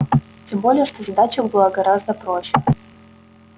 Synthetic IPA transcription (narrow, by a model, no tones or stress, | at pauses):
tʲembolʲɪjəʂt̪ozɐd̪at͡ɕəbɨlˠaɡɐɾazd̪əpɾoɕːɪ